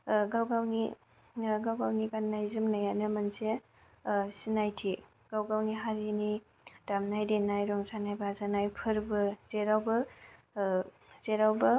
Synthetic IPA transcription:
ɡawɡawni | ɡawɡawnikanːajzɯmnajanɯmɐnse | sinajtʰi | ɡ̥awɡawniɦaɾini | damnajɾenajɾɔŋsanajbazanajpʰɯɾbɯz̥eɾawbɯ | z̥eɾawbɯ

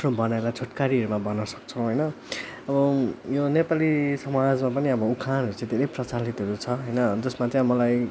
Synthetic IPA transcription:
nõbʌnaelat͡sʰoʈkaɾiʌɾumabʌnːʌsʌ̥kt͡sʰʌw̃ɦʌjnʌ | ʌbʌjonepalisʌmad͡zmapʌniʌbʌukʰanɦʌɾut͡sãd̪ʱeɾʌjprʌt͡salit̪ɦʌɾut͡sʰʌɦʌjnʌd͡zʌsmat͡sãj̃mʌlaj

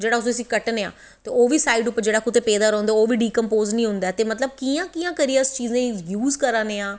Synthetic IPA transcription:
d͡ʒeːɽaːʊsəsĩːkəʈneã̰ː | t̪eːoːʋiːsaːiɖʊpːəɾd͡ʒeːɽaːkʊt̪eːpeːd̪aːɾɔ̃ːnd̪aːoːʋiːɖiːkəmpoːznĩːɦʊ̃nd̪aːt̪eːmət̪ləb̚kiːãːkiːjãːkəɾijaːɪst͡ʃiːzãjuːzkəɾãːneːãː

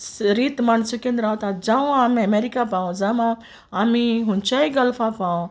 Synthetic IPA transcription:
ɾiːt̪mansukẽnd̪ɾaːwt̪ad͡ʒãũaːmĩɐmeːɾikapãːõzamã | amĩɦʊ̃nt͡ʃaiɡɐlfapaõ

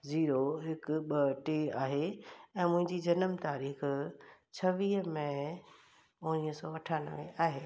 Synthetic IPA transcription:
ziːɾoɦɪkʊɓɐʈeːaːɦeɛ̃ːmʊ̃ɦɪ̃ɲd͡ʑid͡ʑɐnəmt̪aːɾiːxt͡ɕʰɐʋiːɦəmẽ | ʊ̃niːɦəsɔːɐʈʰaːnəʋẽaːɦeː

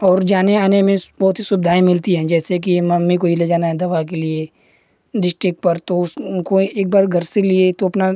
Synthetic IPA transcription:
ɔːɾd͡ʒaːneaːnemẽbɔɦːt̪ɦisʊbd̪ʱaːĩmɪlt̪iɦɛ̃ːd͡ʒɛːsek̬imɐmːikoileːd͡ʒaːnaɦɛ̃d̪ɐʋak̬elie | ɖɪsʈɾɪkʈ̚pɐɾt̪oʊskoeːk̚baːɾɡʱɐɾseliet̪oɐpna

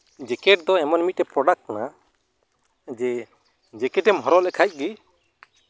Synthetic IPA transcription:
d͡ʒɛkɛʈ̚d̪ɔɛmɔnmit̪̚ːɛpɾɔɖak̚kana | d͡ʒɛ | d͡ʒɛkɛʈɛmɦɔɾɔlɛkʰajc̚ˀɡɛ

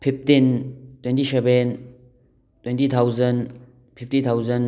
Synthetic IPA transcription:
pʰip̚tintwentisɛben | twɛntit̪ʰawzɐn | pʰip̚tit̪ʰawzɐn

